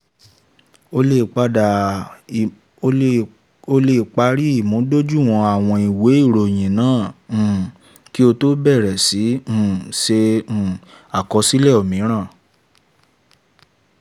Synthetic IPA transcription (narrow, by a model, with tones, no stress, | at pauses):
o˧e˧˨k͡pa˧da˨ | o˧le˧˨k͡pa˧ɾi˦i˦˨mũ˨˦do˦d͡ʒu˦˨w̃ɔ̃˧a˨w̃ɔ̃˧i˨we˨˦i˦˨ɾo˨j̃ĩ˨nãː˦˨ | ki˦o˧to˦bɛ˦˨ɾɛ˨sĩ˨˦˨sẽ˧˨ | a˨kɔ˧si˦lɛ˦˨o˨mĩ˨˦ɾ̃ãː˦˨